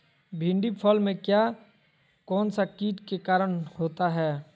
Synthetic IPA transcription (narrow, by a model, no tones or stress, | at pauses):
bʱĩɳɖipʰɔːlmẽkjaː | kɔːnsakiːʈkekaːɾəñhoːt̪aɦɛː